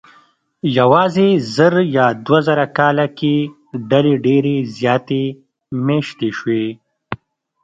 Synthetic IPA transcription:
jawɑːzezəɾjɑːd̪wazaɾakɑːlake | ɖaleɖeɾezjɑːt̪e | meʃt̪eʃwe

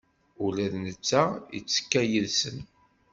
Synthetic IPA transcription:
ulæðnət͡sːæə̰t͡sːə̥kːæjəlsən

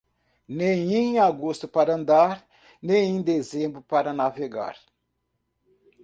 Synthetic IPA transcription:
nẽj̃ẽaɡost̪ʊpaɾɐɐ̃nd̪aɾ | nẽj̃ẽd̪ezẽbɾʊpaɾɐnaveɡa̰ɾ

